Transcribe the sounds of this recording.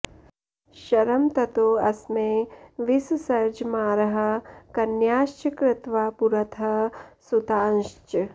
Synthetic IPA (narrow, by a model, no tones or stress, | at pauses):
ʃɐɾɐmt̪ɐt̪oːɐsmeːʋissɐɾd͡ʒmaːɾɐɦɐ̆kɐnjaːʃt͡ʃɐkɾɪt̪ʋaːpuɾɐt̪ʰɐsut̪aːnʃt͡ʃ